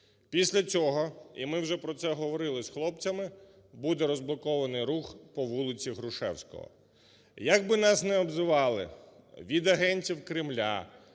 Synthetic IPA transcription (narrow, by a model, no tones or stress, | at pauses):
pʲisʲlʲɐt͡sʲɔɦɔḭmɪwʒɛpɾɔt̪sɛɦɔʋɔɾɪlˠɪsxlˠɔpt͡sʲɐmɪ | bud̪ɛɾɔzblˠɔkɔʋɐnɪjɾuxpɔʋulˠɪt͡sʲiɦɾʊʃɛ̰wsʲkɔ̰ɦɔ̰ | jɐɡ̚bɪnɑsnɛɔbzɪʋɑlˠɪ̰ | ʋʲid̪ɐɦɛnʲtʲiwkɾɪmlʲa̰